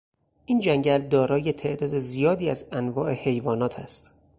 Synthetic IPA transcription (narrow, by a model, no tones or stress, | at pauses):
ʔiːnd͡ʒæŋɟæld̪ɒːɾɒːje̞t̪ʰe̞ʔd̪ɒːd̪ezijɒːd̪iːæzænvɒːʔe̞he̞jvɒːnɒːt̪ʰæst̪